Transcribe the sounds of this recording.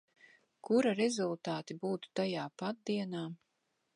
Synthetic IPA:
kuɾaɾɛzulˠt̪aːt̪ibuːt̪u̥t̪ajaːpat̪̚d̪iɛnaː

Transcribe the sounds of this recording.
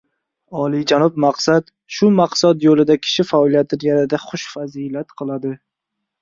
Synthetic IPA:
ɒlˠid͡ʒanɒb̚maqsat̪ | ʃʊmaqsad̪jolɪd̪akʲʰɪ̥ʃɪfaɒlˠijat̪ʰɪnjʲanɪd̪aχʊʃfazilat̪qʰɨlˠad̪ɪ

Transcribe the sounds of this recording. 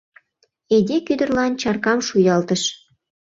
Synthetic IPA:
ed̪ʲekyd̪ə̆rlɑnt͡ɕɑrkɑmʃujɑlt̪əʃ

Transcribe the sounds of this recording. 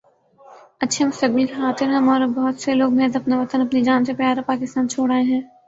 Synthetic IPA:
ɐtːʃʰemʊst̪ɐɡbʊlkxaːt̪ɪɾɦɛ̃mɔːɾbɐɦʊt̪seloːɡ̚meːzɐpnaʋɐt̪ənɐpnid͡ʒaːnsepjaːɾapaːkɪst̪aːnt͡ʃʰoːɽaːeɦɛ̃ː

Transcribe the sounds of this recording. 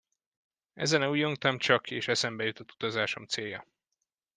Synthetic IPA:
ɛ̰zɛnɛuːjoŋt̪ɒmt͡ʃɒkeːʃɛsɛmbɛjut̪ot̪u̥t̪ɒzaːʃo̞mt̪seːjɒ

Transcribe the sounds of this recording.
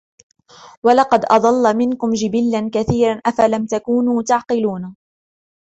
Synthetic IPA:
walɑqɑd̪ʔɑd̪ˤɑlːmɪnkʊmd͡ʒɪbilːankaθiːɾanʔafalamt̪akuːnuːt̪aʕqɨluːna

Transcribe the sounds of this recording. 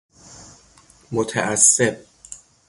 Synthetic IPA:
mot̪ʰæʔæsːeb̚

